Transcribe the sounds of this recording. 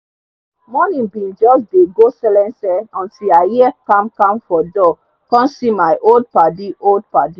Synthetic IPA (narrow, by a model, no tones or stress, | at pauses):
mɔnĩnbĩnd͡ʒɔsdeɡosɛlɛ̃nsɛɔ̃ntilajɛkãmkãmfɔdɔ | kɔ̃nsimaɪʔold̚padiʔold̚padi